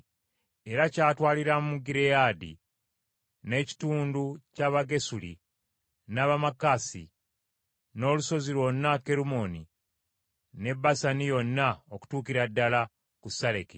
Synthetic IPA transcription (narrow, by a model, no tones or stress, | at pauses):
e̞ɾacaːtwaːliɾamuɡiɾejaːdḭ | ne̞ci̥tuːnducaβaɡe̞sulḭ | naβamakasḭ | no̞ːluso̞zilwo̞nːake̞ɾumo̞ni | ne̞bːasanijo̞nːaoku̥tuːkiɾadːala | kusaɾeki